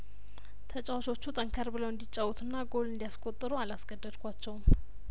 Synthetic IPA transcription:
t̪ʰət͡ʃʼawt͡ʃo̞t͡ʃːut̪ʼəŋkʰəɾbɨləwɨnd̪it͡ʃʼːawut̪ʰɨnːaɡo̞lɨnd̪ijaskʼo̞t̪ʼːɨɾualasɡəd̪ːəd̪kʷat͡ʃːɛwm

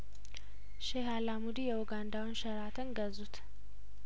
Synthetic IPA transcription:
ʃɛɦalamud̪ijɛʔʊɡand̪awʊnʃɐɾat̪ʰɨŋɡɐzut̪

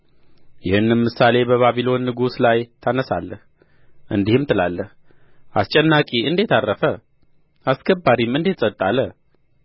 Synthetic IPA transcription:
jɪhɨnːmɨsale̞bəβaβilo̞nːɨɡuslajt̪ʰanəsa̰lːəh | ʔɨnd̪ihɨmt̪ʰɨlalːəh | ʔast͡ʃʼɛnːakʼiɨnd̪et̪ʰarːəfə | askʰəbːaɾimɨnd̪et̪sʼət̪ʼːalə

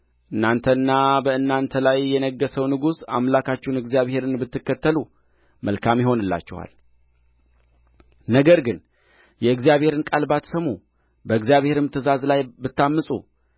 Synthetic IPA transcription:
ʔɨnːant̪ʰənːabəɨnːant̪ʰəlajːɛnəɡːəsəwnɨɡusa̰mlakʰat͡ʃːɛhnɨɡzijaβhe̞ɾɨnbɨt̪ːɨkːət̪ʰːəlu | məlkʰamjɪɦo̞nɨlːa̰t͡ʃːɛha̰l | nəɡəɾɡɨn | jɛɨɡzjaβhe̞ɾɨnkʼalbat̪səmu | bəɨɡzijaβhe̞ɾɨmt̪ʰɨzazlajbɨt̪ːamːɨsʼṵ

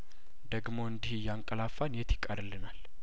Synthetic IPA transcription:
d̪əɡmo̞ɨnd̪ihjaŋkʼəlafːanjɛt̪ʰjɪkʼːəɾɨlːɨnal

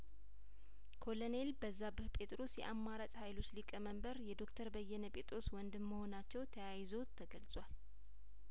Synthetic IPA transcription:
kʰo̞lone̞lbəzːabɨhpʰʼe̞t̪ʼɾo̞sjɛ̰ʔamːaɾat͡ʃʼhajlo̞t͡ʃːlikʼəməmbəɾjɛd̪o̞kt̪ʰəɾbəjːɛnəpʼet̪ʼɾo̞swɔnd̪ɨmːəho̞nat͡ʃːɛwt̪ʰəjajzo̞t̪ʰəɡəlsʼwal

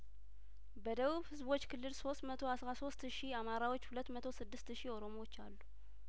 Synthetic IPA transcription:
bəd̪əβuβhɨzbo̞t͡ʃːkʰɨlːɨlso̞st̪mət̪ʰo̞asɾaso̞st̪ʃiamaɾawo̞t͡ʃːhulət̪ːmət̪ʰosɨd̪ːɨst̪ʃio̞ɾo̞moot͡ʃːalːu

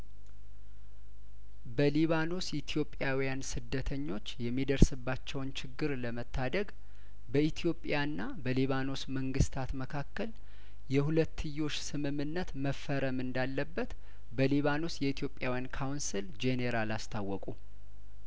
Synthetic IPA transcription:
bəliβano̞sit̪ʰijo̞pʼːjawijansɨd̪ːət̪ʰəɲːo̞t͡ʃːjɛmːid̪əɾsɨbːat͡ʃːɛwnt͡ʃʰɪɡːɨɾləmət̪ːad̪əɡ | bəit̪ʰijo̞pʼːjanːabəliβano̞sməŋɡɨst̪ʰat̪məkʰakːəl | jɛhulət̪ʰːɨjːo̞t͡ʃːsɨmɨmːɨnːət̪məfːəɾəmɨnd̪alːəbːət̪ | bəliβano̞sjɛit̪ʰjo̞pʼjawjankʰawnsɨld͡ʒeneɾalast̪ʰawːɔkʼu

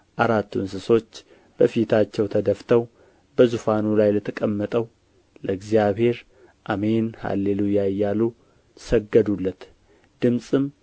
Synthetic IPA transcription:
ʔaɾat̪ʰːuɨnsɨso̞t͡ʃː | b̥əfit̪ʰat͡ʃːɛwt̪ʰəd̪əft̪ʰəw | bəzufanulajlət̪ʰəkʼəmːət̪ʼəw | ləɨɡzijaβhe̞ɾ | ʔamenha̰lːelujajːalu | səɡːəd̪ulːət̪ | d̪̥ɨmsʼɨm

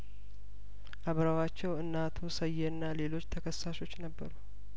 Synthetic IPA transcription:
ʔaβɾawat͡ʃːɛwɨnːat̪ʰusəjːɛɨnːale̞lo̞t͡ʃːt̪ʰəkʰəsːaʃo̞t͡ʃːnəbːəɾu

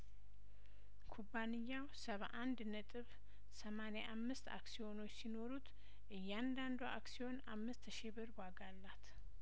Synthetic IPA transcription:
kʰubːanɨjːawsəβa̰ʔand̪nət̪ʼɨβ | səmaneʔamːɨst̪a̰ksio̞no̞t͡ʃːsino̞ɾut̪ | ʔɨjːand̪and̪uʔa̰ksio̞na̰mːɨst̪ʃɪβɨɾwaɡalːat̪

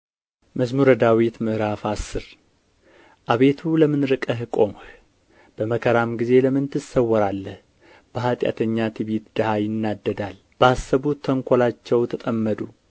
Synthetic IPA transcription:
məzmuɾəd̪awit̪mɨʔɾafasːɨɾ | ʔaβe̞t̪ʰuləmɨnɾɨkʼəɦɨkʼo̞mh | b̥əməkʰəɾamɡize̞ləmɨnt̪ʰɨsəwəɾalːəh | b̥əɦat̪ʼja̰t̪ʰəɲːat̪ʰiβit̪d̪əhajɪnːad̪ːəd̪al | b̥əasːəβut̪ʰːəŋkʷʰolat͡ʃːɛwt̪ʰət̪ʼəmːəd̪u

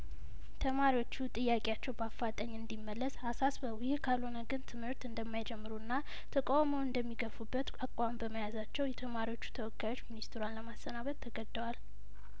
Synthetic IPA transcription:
t̪ʰəmaɾiwo̞t͡ʃːut̪ʼɨjːakʼeat͡ʃːɛwbafːat̪ʼəɲːɨnd̪imːəlːəsasasbəwjɪhkʰalho̞nəɡɨnt̪ʰɨmhɨɾt̪ɨnd̪əmːajd͡ʒɛmːɨɾuɨnːa | t̪ʰəkʼawməwɨnd̪əmːiɡəfubːət̪akʼwambəməjazat͡ʃːɛwjɛt̪ʰəmaɾiwot͡ʃːu̥t̪ʰəwɔkʰʼːajo̞t͡ʃːminist̪ʰɨɾuanləmast̪ənaβət̪ʰːəɡəd̪ːəwal

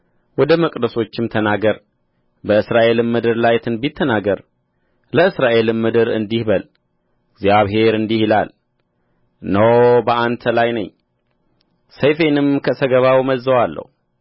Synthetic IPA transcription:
wɔd̪əməkʼd̪əso̞t͡ʃːɪmt̪ʰənaɡəɾ | bəɨsɾaʔe̞lɨmːɨd̪ɨɾlajt̪ʰɨnbit̪ʰːənaɡəɾ | ləɨsɾaʔe̞lɨmːɨd̪ɨɾɨ̰nd̪ihbəl | ɡzjaβɦe̞ɾɨnd̪ihila̰l | nəwbəʔant̪ʰəlajnəɲː | səjfe̞nɨmkʰəsəɡəβawməzːəwalːə̰hu

